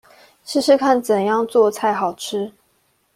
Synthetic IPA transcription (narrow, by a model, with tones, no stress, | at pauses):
ʂɻ̩˥˧ʂɻ̩˥˧kʰa˥˩nt͡sə˨˩njɑ˥˧ŋt͡swɔ˥˧t͡sʰa˥˩ɪxɑ˨˩ʊʈ͡ʂʰɻ̩˥